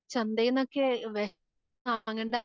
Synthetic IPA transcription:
t͡ɕɐnd̪ejinːokːeʋe | aŋːeɳɖ

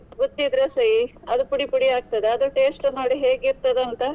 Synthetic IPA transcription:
ɡot̪ːid̪ɾesɐjiɐd̪upuɽipuɽiaːɡ̚t̪ɐd̪eɐd̪uʈe̞ːsʈnoːɽiɦeːɡiɾt̪ɐd̪eɐnt̪ɐ

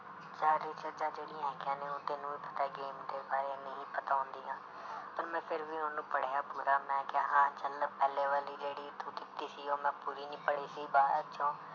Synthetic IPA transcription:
d͡ʒaːɾiːt͡ʃəd͡ʒãːd͡ʒeːɽɪjãːɦɪkãːneːʊ̃ːt̪eːnũːiːpə̥t̪ɛːɡeːmd̪eːbaːɾenəɦĩːpət̪aːʊ̃nd̪iːɦãː | pəɾmɛ̃ːpʰɪɾʋiːʊ̃nũːpəɽ̤eːaːpuːɾaːmɛ̃ːkɪaːɦãːt͡ʃəlpɛːleːʋaːliːɾeːɽiːt̪ũːd̪ɪpt̪iːsiːoːmɛ̃ːpuːɾiːnĩːpəɽiːsiːbaːəʃʰõː

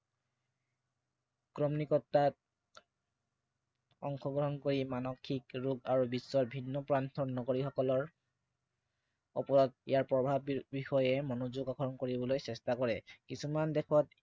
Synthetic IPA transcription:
kɹɔmnikɔtːat̚ | ɔ̰ŋxʰɔɡɹɔɦɔnkoɹimanɔkʰːikɹuɡaɹubisːɔɹbʱinːɔpɹantʰɔnːɔɡoɹixɔkɔlɔɹ | ɔ̰pɔɹɔt̚ḭjaɹpɹɔbʱabbixɔjɛmɔnozuɡakʰɔɹɔnkoɹibɔlojsɛstakɔɹɛkisumandɛkʰɔt

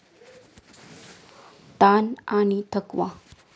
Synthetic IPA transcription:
t̪ananit̪ʰəkʋa

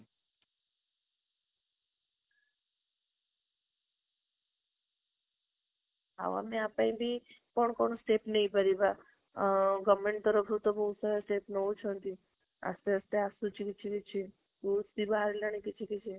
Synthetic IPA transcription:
a̰ʋa̰mẽapaĩbʱipəɳkonusʈepnəɦĩbəɾiba | ɡəmeɳʈt̪əɾəpʰɾut̪obəũsaɾesʈepnɔũt͡ʃʰont̪i | a̰st̪eəst̪easut͡ʃʰiket͡ʃʰiket͡ʃʰi | usibaɾlaɽ̃ĩket͡ʃʰiket͡ʃʰe

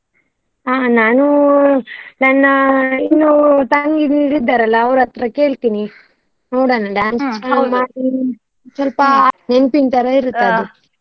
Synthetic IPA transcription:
aːnaːnu | nɐnːɐinːut̪ɐŋɡiniɾid̪ːaːɾɐlːɐːʋɾɐt̪ɾɐke̞ːɭt̪iːni | noːɽanɐɖaːnst͡ʃkɐmaːɽi | sɔlpɐnenpint̪ɐɾɐiɾut̪ːau

